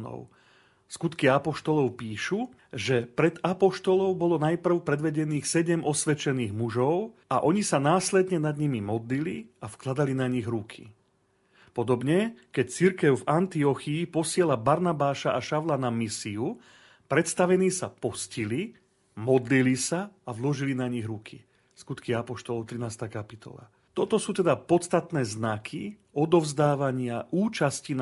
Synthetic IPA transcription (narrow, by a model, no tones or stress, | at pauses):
nɔ̰ʊ | skut̪kiapɔʃt̪ɔlɔʊpiːʃu | ʒɛpɾɛd̪apɔʃt̪ɔlɔʊbɔlɔnajpr̩ʊpɾɛd̪ʋɛɟɛniːxsɛɟɛmɔsʋɛt͡ʃɛniːɣmuʒɔʊaʔɔɲisanaːslɛd̪ɲɛnad̪ɲimimɔd̪liliafklad̪alinaɲiɣɾukʰḭ | pɔd̪ɔbɲɛkɛct͡siɾkɛʊvant̪iɔxiːpɔsɪɛlabaɾnabaːʃaʔaʃaʋlanamisiu | pɾɛt̪st̪aʋɛniːsapɔscili | mɔd̪lilisaavlɔʒilinaɲiɣɾukʰi | skut̪kiapɔʃt̪ɔlɔʊt̪ɾinaːst̪aːkapit̪ɔ̰la̰ | t̪ɔt̪ɔsuːt̪ɛd̪apɔt̪st̪at̪nɛːznakʰi | ɔd̪ɔvzd̪aːʋaɲɪaʔuːt͡ʃascin